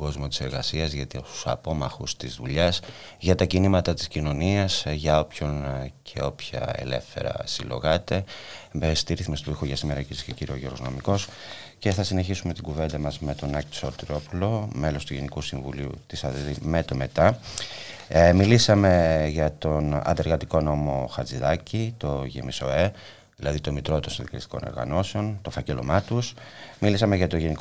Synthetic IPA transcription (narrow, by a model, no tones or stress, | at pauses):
oɡo̞zmo̞t̪i̥se̞ɾɣɐsiɐzʝɐt̪u̥sɐ̰po̞mɐxust̪izðuʎɐs | ʝɐt̪ɐcinimɐt̪ɐt̪i̥scino̞niɐsʝɐo̞pço̞ncʰe̞o̞pçɐ̰ḛle̞̰fθe̞̰ɾɐ̰silo̞̰ɣɐt̪e̞est̪iɾiθimest̪oixoʝɐsime̞ɾɐciɾisceciɾio̞ʝio̞ɾɣono̞miko̞s | ce̞θɐsine̞çisume̞t̪iɡuve̞nd̪ɐmɐzme̞t̪o̞nɐkso̞t̪ɾo̞pulo̞me̞lo̞st̪uʝe̞nikusiɱvuliṵt̪isɐðmet̪ome̞t̪ɐ | milisɐme̞ʝɐt̪o̞nɐ̰nd̪eɾɣɐt̪iko̞no̞mo̞xɐt͡siðɐcit̪o̞ʝḛmiso̞e | ðilɐðit̪o̞mit̪ɾot̪onsinðikɐlist̪i̥ko̞no̰ɾɣɐ̰no̞seo̞nt̪o̞fɐcelo̞̰mɐt̪usmilisɐme̞ʝɐt̪o̞ʝe̞nik